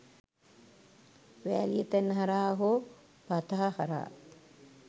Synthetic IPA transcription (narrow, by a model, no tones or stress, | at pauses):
ʋæːlijet̪ænːəɦɐɾaːɦo | pat̪aɦahaɾa̰ː